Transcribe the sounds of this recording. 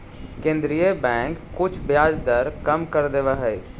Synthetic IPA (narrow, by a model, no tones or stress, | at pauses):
kẽːnd̪ɾijəbɛ̃ːŋkːʊt͡ʃʰbjaːd͡ʒd̪əɾkəmkəɾd̪eʋaɦɛi